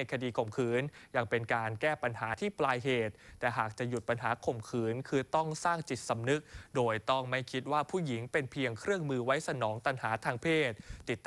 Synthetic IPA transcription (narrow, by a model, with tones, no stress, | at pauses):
a˧jkʰa˧diː˧kʰo˨˩mkʰɯː˩˦nja˧ŋpe˧nkaː˧nkɛː˥˩pa˧nhaː˩˦t̪ʰiː˥˩plaː˧jɦeː˨˩t̪̚ːɛː˨˩ɦaː˨˩k̚t͡ɕa˨˩ju˨˩t̪̚pa˧nɦaː˩˦kʰo˨˩mkʰɯː˩˦nkʰɯː˧t̪ɔ˥˩ŋsaː˥˩ŋt͡ɕi˨˩t̪̚sa˨˧˦mnɯ˦˥k̚doː˧jt̪ɔ˥˩ŋma˥˩jkʰi˦˥t̪̚waː˥˩pʰuː˥˩ji˩˦ŋpe˧npʰi˧əŋkʰɾɯ˥˩əŋmɯː˧wa˦˥jsa˧nɔː˩˦ŋt̪a˧nhaː˩˦t̪ʰaː˧ŋpʰeː˥˩t̪̚tːi˨˩t̪ː